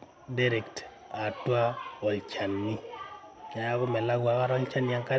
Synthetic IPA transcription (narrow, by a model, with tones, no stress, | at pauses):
da˦ɾɛ˨kt | a˨twa˦ɔ˨lt͡ʃa˨nːi˦ | a˨ja˦kɔ˦mɛ˨la˦ɡwa˨˦ka˦ɾɔ˦lt͡ʃa˦nja˦ŋka˦